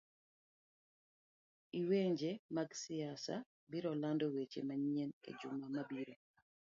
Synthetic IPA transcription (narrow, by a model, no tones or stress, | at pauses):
iweɲd͡ʒemaɡsɪasa̰ | biɾɔlandɔwet͡ʃḛmaɲienḛd͡ʒʊmamabiɾo